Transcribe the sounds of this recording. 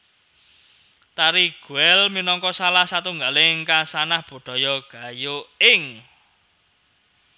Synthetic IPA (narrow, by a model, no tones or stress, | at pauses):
t̪aɾiɡ̥ṳɛlminɔŋkɔsalahsat̪uŋɡalɪŋkasanahb̥o̤ɖ̥ɔ̤jɔɡ̥a̤joɪŋ